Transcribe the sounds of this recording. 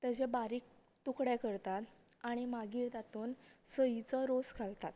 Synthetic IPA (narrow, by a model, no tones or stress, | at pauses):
t̪əd͡ʑebaɾiːk̚ | t̪ukɽjakəɾt̪at̪aɽ̃imaɡiːɾt̪at̪oːnsəit͡sɔɾoskʰalt̪at̪